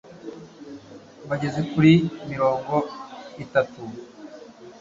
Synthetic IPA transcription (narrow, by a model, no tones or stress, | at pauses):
βaɟe̞zekuɾimiɾo̞ːŋɡo̞itatu